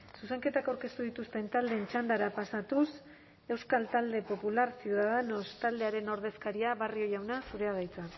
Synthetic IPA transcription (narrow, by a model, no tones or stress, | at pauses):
suse̞ŋke̞t̪akawɾke̞st̪uð̞it̪ust̪e̞nt̪ald̪ent͡ʃand̪aɾapasat̪us | e̞wskalt̪ald̪e̞po̞pulaɾsiuðaðe̞no̞st̪ald̪e̞aɾe̞no̞ɾð̞e̞skaɾiaβario̞jawnasuɾe̞aðajt͡sa